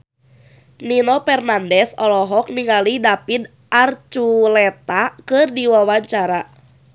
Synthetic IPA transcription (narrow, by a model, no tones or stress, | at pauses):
ninɔpɛrnandɛsɔlɔɦɔk̚niŋalidapid̪ | ʔart͡ʃulɛt̪akɨrdiwawaɲt͡ʃaɾa